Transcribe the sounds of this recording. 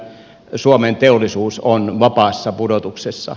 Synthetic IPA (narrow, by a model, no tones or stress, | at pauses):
suoment̪eolːˑisuːsonʋɑpɑːsːɑpudot̪uksesːɑ̰